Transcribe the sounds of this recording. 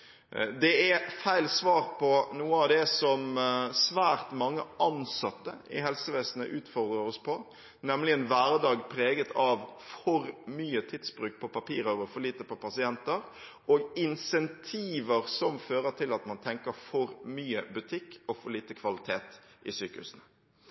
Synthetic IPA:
d̪ɛɛfæɪlsʋɑːɾpʰɔnuːəɑʋd̪ɛsɔmsʋæːɾt̪mɑŋːəʔɑnsɑt̪ːəɪ̰ɦɛlsəʋɛːsnə̰ʔʉːt̪fɔʁd̪ʁəɾɔspʰɔ | nɛmlɪɛnʋæːɾəd̪ɑːɡpʰɾeːɡət̪ʰɑʋfɔɾmyːət̪ʰɪd̪sbɾʉːk̚pʰɔpɑpḭːɾɑʁəfɔɾɭiːt̪əpɔpʰɑsɪɛnt̪əɾ | oɡɪnsɛnt̪ʰiːʋəɾsɔmføːɾəʈ̪ʰɪlɑt̪mɑnt̪ʰɛŋkəɾfɔɾmyːəbʉt̪ʰɪkːɔfɔɾɭiːt̪əkʰʋɑlɪt̪ʰeːt̪ʔɪsyːkəhʉ̰snə

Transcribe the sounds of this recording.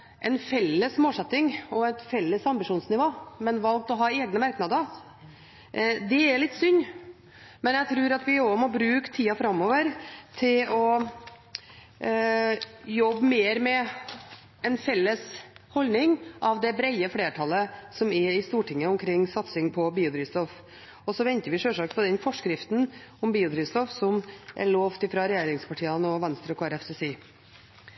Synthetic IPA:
ʔɛnfɛlːəsmoːlsɛt̪ːɪŋɔɛt̪fɛlːəsɑmbɪʂuːnsnɪʋoːmɛnʋɑlk̚t̪ɔɦɑːeːɡnəmæɾknɑd̪əɾ | d̪ɛæɭɪt̪ːsʏnː | mɛnjæɪt̪ʰɾʉːɾɑt̪ʋɪomɔbɾʉːkt̪ʰiːɑfɾɑmːɔːʋəɾt̪ʰɪlɔ | jɔbːmeːɾmɛ | ɛnfɛlːəshɔlnɪŋʔɑʋd̪ɛbɾɛɪəfleːʈʰɑlːəsɔmɛɾɪst̪uːʈʰɪŋːəɔmkʰɾɪŋːsɑt̪sɪŋpʰɔbiːʊd̪ɾiːst̪ɔf | ɔsɔʋɛnt̪əɾʋɪʂøːʂɑkpʰɔd̪ɛnfɔʂkɾɪft̪n̩ɔmbiːʊd̪ɾiːst̪ɔfsɔmʔɛ̰ɭoːft̪ɪfɾɑɾɛjeːɾɪŋspʰɑʈʰiːənɔʋɛnst̪ɾəɔkʰɑːɾɛfsɛsiː

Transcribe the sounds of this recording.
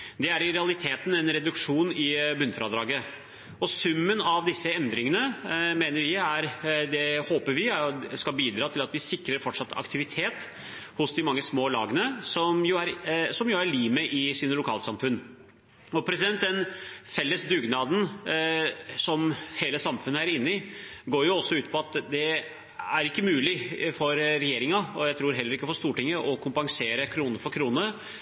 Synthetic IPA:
d̪ɛæɾɪɾɛɑlɪt̪ʰeːt̪n̩ɛnɾɛd̪ʉkʂuːnɪbʉnfɾɑd̪ɾɑːɡə | ɔsʉmːənɑʋd̪ɪsːəɛnd̪ɾɪŋənəmeːnəɾʋɪæɾd̪ɛhoːpəɾʋɪskɑlbiːd̪ɾɑːt̪ʰɪlɑt̪ʋɪsɪkɾəɾfɔʈʂɑt̪ːɑ̰kt̪ʰɪʋɪt̪ʰeːt̪ | hʊsd̪ɪmɑŋːəsmoːlɑ̰ːɡənəsɔmjʊæɾsɔmjʊæɾɭiːməʔɪsiːnəlʊkʰɑːləsɑmfʉnː | ɔpʰɾɛsɪd̪ɛnt̪̚d̪ɛnfɛlːəsd̪ʉɡnɑːd̪n̩ | sɔmheːləsɑmfʉnːəæɾɪnːɪɡoːɾjʊɔsːɔʉːt̪̚pʰɔɑt̪d̪ɛ | æɾɪkːəmʉːlɪfɔɾɾɛjeːɾɪŋɑɔjæɪt̪ʰɾuːɾɦɛlːəɾɪkːəfɔst̪uːʈɪŋːəʔɔkʰʊmpɑŋseːɾəkʰɾuːnəfɔɾkʰɾuːnə

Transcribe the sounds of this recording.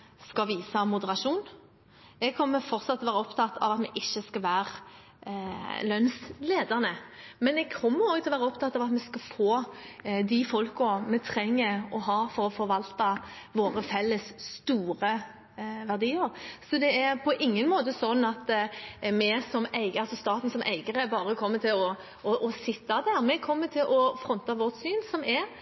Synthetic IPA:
skɑʋiːsɑmʊd̪əɾɑʂuːn | ɛɡ̚kʰɔmːəfɔɾt̪sɑt̪ʰːlɔʋæːɾɔpt̪ʰɑt̪ːɑ̰ʋɑt̪mɛʔɪçːəskɑʋæːɾ | lœnsleːd̪əʁnəmɛnɛɡ̚kʰɔmːəɾoːɡt̪ʰɪlɔʋæːɾəɔpt̪ʰɑt̪ːɑʋɑt̪mɛskɑfoːd̪ɪfɔlkɔmɛt̪ʰɾɛŋːəɾɔɦɑːfɔɾɔfɔɾʋɑlt̪ɑʋoːɾəfɛlːəsːt̪uːɾə | ʋæʁd̪iːəɾsɔd̪ɛæɾpʰɔʔɪŋːənmoːt̪əsɔnːɑt̪mɛsɔmæɪɡɑlsɔst̪ɑːt̪n̩sɔmʔæ̰ɪɡəɾəbɑːɾəkʰɔmːət̪ʰɪlɔ | ɔʔɔsɪt̪ːɑd̪æɾmɛkʰɔmːət̪ʰɪlʔɔfɾɔnt̪ɑʋɔt̪syːnsɔmɛɾ

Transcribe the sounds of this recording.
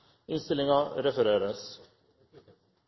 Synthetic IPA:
ɪnst̪ɪlɪŋɑɾɛfəɾeːɾəs

